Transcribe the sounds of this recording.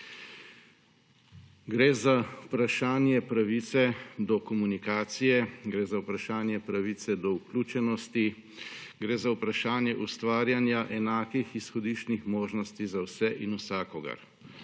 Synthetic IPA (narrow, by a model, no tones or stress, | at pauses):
ɡɾeːzaupɾaʃaːnjɛpɾaʋit̪sɛd̪ɔkɔmunikaːt̪sijɛɡɾeːzawpɾaʃaːnjɛpɾaʋiːt̪sɛd̪ɔukluːt͡ʃɛnɔst̪i | ɡɾeːzawpɾaʃaːnjɛʔust̪ʋaːɾjanjaʔɛnaːkixisxɔd̪iʃt͡ʃnixmoːʒnɔst̪izawsɛʔinusaːkɔɡɐ̰ɾ